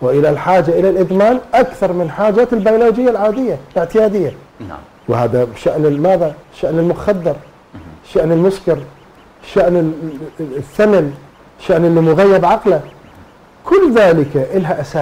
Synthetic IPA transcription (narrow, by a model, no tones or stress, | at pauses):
wɪʔɪlalħaːd͡ʒaʔɪlalʔɪd̪maːnʔakθɑɾˤmɪnħaːd͡ʒaːt̪ɪlbajʊloːd͡ʒɪjːalʕaːd̪ɪjːalɪʕt̪ɪjaːd̪ɪjːa̰ | whaːðabʃaʔnɪmaːðaʃːaʔnɪlmʊxad̪ːɪɾ | ʃːaʔnɪlmʊskɪɾ | ʃːaʔnɪ | θːaman | ʃːaʔnɪlːimʊɣajːɪbʕɑqla | kʊlːðaːlɪkaʔɪlɦaʔasaː